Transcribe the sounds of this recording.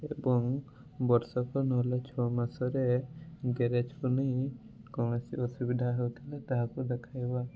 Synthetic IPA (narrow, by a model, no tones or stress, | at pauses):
ebɔŋ | bɔɾsɔkɔnɔɦlat͡ʃʰɔmasɔɾeɡeɾed͡ʒkuniɦj̃ | kɔŋesiɔsubid̪ʱaɦowt̪ʰilet̪aɦakud̪ɛkʰajba